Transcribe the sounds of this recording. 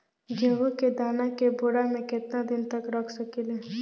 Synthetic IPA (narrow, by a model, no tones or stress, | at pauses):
ɡʱeʋuked̪aːnakebʊɾamẽkɪt̪nad̪ɪnt̪ɐkɾɐkʰsɐkileː